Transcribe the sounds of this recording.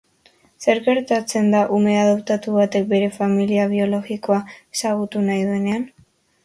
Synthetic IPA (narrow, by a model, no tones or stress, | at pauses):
se̞ɾɣe̞ɾt̪at͡se̞nd̪aʔume̞aðopt̪at̪uβat̪e̞k̚be̞ɾe̞familiaβ̞io̞lo̞ɣiko̞aesaɣ̞ut̪unajðue̞nean